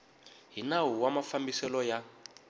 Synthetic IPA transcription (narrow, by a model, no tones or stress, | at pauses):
ɦinawuwamafambisɛlɔja